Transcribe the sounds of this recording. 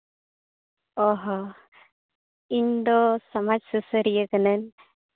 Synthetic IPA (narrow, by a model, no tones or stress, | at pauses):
ɔɦɔ | iɲd̪ɔsamad͡ʒsusəɾijəkənən